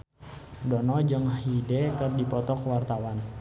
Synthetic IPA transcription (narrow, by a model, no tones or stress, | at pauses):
dɔnɔd͡ʒəŋidɛkərdipɔt̪ɔkəwart̪awan